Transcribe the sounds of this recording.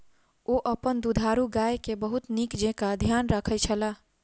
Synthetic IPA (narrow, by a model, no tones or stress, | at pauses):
oʔəpənd̪ud̪ʱaɾuɡaːjekebəɦut̪nikd͡ʒẽkad̪ʱjaːnɾəkʰət͡ʃʰəla